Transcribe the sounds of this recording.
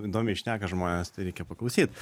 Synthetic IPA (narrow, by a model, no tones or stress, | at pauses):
iːd̪oːmʲɛɪʃʲnʲæːkɐʒmoːnʲɛst̪ɐɪɾʲɛɪkʲɛpɐklˠɐʊsʲiːt̪